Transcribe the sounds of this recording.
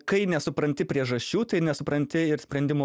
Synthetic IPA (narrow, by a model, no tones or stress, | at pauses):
kɐɪnʲɛsʊpɾɐnʲt̪ʲɪpʲɾʲiɛʒɐʃʲt͡ʃʲuːt̪ɐɪnʲɛsʊpɾɐnʲt̪ʲɪɪɾsʲpʲɾʲɛnʲd̪ʲɪmo